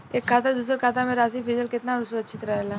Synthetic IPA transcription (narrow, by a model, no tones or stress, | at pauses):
eːkʰːaːt̪ad̪uːs̬ɾkʰaːt̪amẽɾaːs̬ipid͡ʒəlkɪt̪naɾsʊɾəːt͡ʃʰɪt̪ɾɐɦelaː